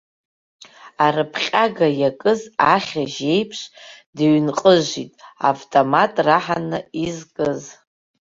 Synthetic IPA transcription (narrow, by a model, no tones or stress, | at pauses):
arɨpʰχʲʼaɡajakʼɨzaχʲaʒe̞jpʰʂdɥnqʼəʒʷitʼa̰vtʼomatʼraħanɨizkʼɨz